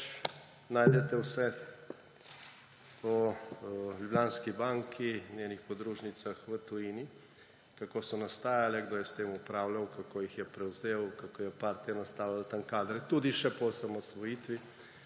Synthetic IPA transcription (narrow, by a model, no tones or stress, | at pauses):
naːjd̪ɛt̪ɛwsɛ | t̪o | ljublʲjanskibaŋkʰinʲeːnixpɔd̪ɾuːʒnit̪saxʋət̪ujini | kakoːsɔnast̪aːjalɛɡd̪oːjɛst̪eːmupɾaːwlawkakoːjixjɛpɾɛwzeːwkakoːjɛpaɾt̪ianast̪aːwlalt̪aŋkaːd̪ɾɛt̪ud̪iʃɛpɔsamɔsʋɔjiːt̪ʋi